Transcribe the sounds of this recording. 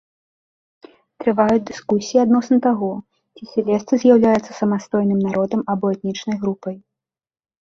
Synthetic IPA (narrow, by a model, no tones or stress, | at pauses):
t̪ɾɨvajud͡zʲd̪ɨskusʲijiad̪nɔsnɐt̪aɣɔ | t͡sʲisʲɛlʲɛst̪ɨzʲjawlʲajɛt̪sːɐ̥sɐmast̪ɔjnɨmnaɾɔd̪ɐmɐbɔɛt̪̚nʲit͡ʂnɐjɣɾupɐj